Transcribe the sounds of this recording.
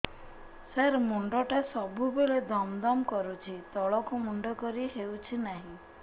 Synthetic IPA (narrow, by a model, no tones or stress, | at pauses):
saɾmuɳɖɔʈasɔbʱubeɭed̪ɔmd̪ɔmkɔɾut͡ʃʰit̪ɔɭɔkumuɳɖɔkɔɾiɦewt͡ʃʰinaɦĩ